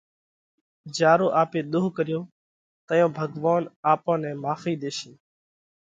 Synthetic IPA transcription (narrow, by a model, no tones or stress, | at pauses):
d͡ʒaːɾoːʔaːpeːɗ̪ʊɦkəɾɪjõː | t̪əjõːbʱəɡʋaːnaːpãːnɛ̃ːmaːfiːd̪eːsĩː